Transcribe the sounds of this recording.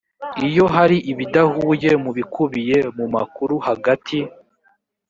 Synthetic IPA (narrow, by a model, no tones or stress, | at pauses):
ijo̞ɦaɾiʔiβidahuːje̞muβikʰuβije̞muma̰kuɾuhaɡatʰi